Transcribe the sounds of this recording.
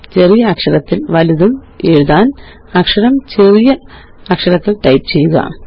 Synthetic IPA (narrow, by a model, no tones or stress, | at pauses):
t͡ɕe̞rijɐːkʂɐɾɐt̪ːilʋɐliðɐm | eːɻuðaːn | ɐkʂɐɾɐmt͡ɕe̞rijɐː | kʂɐɾɐt̪ːilʈɐjpt͡ɕe̞jːuɣɐ̰